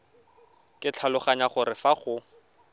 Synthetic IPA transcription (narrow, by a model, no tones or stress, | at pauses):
kʼɪt͡ɬʰalʊχaɲaχʊɾɪfaχʊ